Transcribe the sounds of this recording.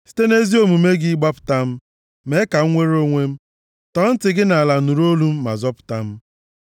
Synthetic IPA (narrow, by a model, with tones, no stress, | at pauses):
si̥˦te˦ne˦zi˦o˨mu˨me˦ɡi˦ɡ͡ba˦pʊ̥˨ta˦m̩˦ | me˦ka˨ŋ̩˦ŋʷe˦ɾo˦ŋʷe˦m̩˦ | tɔ˦n̩˦tɪ˨ɡɪ˦na˨a˨la˨nu˨ɾo˦lu˦m̩˦ma̰˨zɔ˦pʊ̥˨ta˦m̩˦